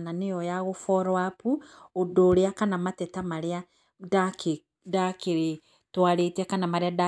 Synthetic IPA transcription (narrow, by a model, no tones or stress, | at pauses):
nanejɔjaɣofɔɾwapuodoːɾeakanamatɛtamaɾea | dake | dakeɾe | twaɾetakanamaɾeada